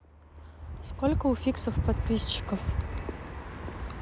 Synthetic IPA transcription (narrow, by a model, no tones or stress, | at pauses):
skɔlʲkɐufʲiksɐfpɐd̪̚pʲist͡ʃɪ̥kɐf